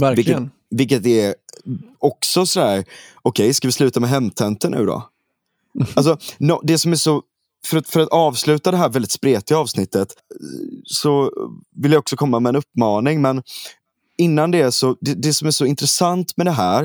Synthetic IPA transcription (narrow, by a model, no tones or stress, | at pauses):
æɾvɪ | vɪlkːət̪̚ɛ | ɔksɔsɔd̪æːɾ | ɔkʰɛjskavɪslʉ̟ːt̪amɛɦɛmt̪ʰɛnt̪ənʔʉ̟̰ːd̪ɔ̰ | als̬ɔnɔd̪ɛsɔmæʂɔ | fœɾat̪fœɾat̪ɑːvslʉ̟ːt̪ad̪ɛɦæːɾvɛld̪ɪt̪spɾeːt̪ɪaɑːvsnɪt̪ːət̪ | sɔvɪljaɔksɔkʰɔmːamɛɛnɵpːmɑːnɪŋmɛn | ɪnːand̪ɛæʂɔd̪ɛd̪ɛsɔmæʂɔɪnt̪ɾɛsant̪mɛd̪ɛɦæːɾ